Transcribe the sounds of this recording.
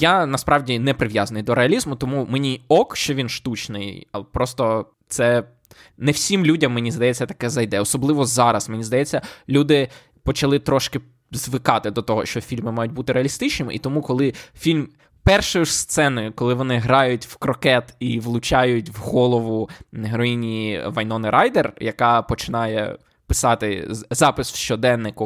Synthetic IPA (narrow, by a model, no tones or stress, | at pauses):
janɐspɾɑʋwdʲinɛpɾɪʋʲjazɐnɪjd̪ɔɾeɐlʲizmʊt̪ɔmumenʲiɔkʃt͡ʃɔʋʲinʃt̪ut͡ʃnɪ̰jɐ̰pɾɔst̪ɔ | t̪sɛ | nɛwsʲimlʲudʲɐmːenʲizd̪ɐjɛt͡sʲːɐt̪ɐ̥kɛzɐjd̪ɛɔsɔblˠɪʋɔzɑɾɐsmenʲizd̪ɐjɛt͡sʲːɐlʲud̪ɪ | pɔt͡ʃɐlˠɪt̪ɾɔʃkɪ | zʋɪkɑt̪ɪd̪ɔt̪ɔɦɔʃt͡ʃɔfʲilʲmɪmɑjʊt̚ʲbut̪ɪɾeɐlʲist̪ɪt͡ʃnɪmɪ̰ʔit̪ɔmukɔlˠɪfʲilʲm | pɛrʃɔjʊst̪sɛnʊjʊkɔlˠɪʋɔnɪɦɾɑjʊtʲwkɾɔkɛt̪iʋlˠʊt͡ʃɑjʊtʲwɦɔlˠɔʋʊɦɾɔjinʲiiʋɐjnɔnɪɾʔajd̪erjɐkɑpɔt͡ʃɪnɑjɛ̰ | pɪ̥sɑt̪ɪzɑpɪswʃt͡ʃɔd̪ɛnːɪkʊ